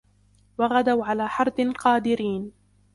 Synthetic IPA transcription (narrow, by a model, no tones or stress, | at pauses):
wɑɣad̪awʕalaːħɑɾˤd̪ɪqɑːd̪ɪɾiːn